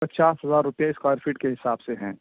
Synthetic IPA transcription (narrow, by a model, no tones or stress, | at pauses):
pɐtːt͡ʃaːsɦɐzaːɾːʊpijaɪskaːɾfʰɪʈkeɦɪsaːbseɦɛ̃ː